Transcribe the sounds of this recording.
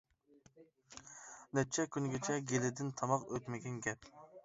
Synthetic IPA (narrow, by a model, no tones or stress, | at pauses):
nɛt͡ʃʰːɛkʲynɡʲɛt͡ʃʰɛɡʲelɪd̪ɪnt̪ʰɑmɑqøt̪mɪɡʲɛnɡʲɛp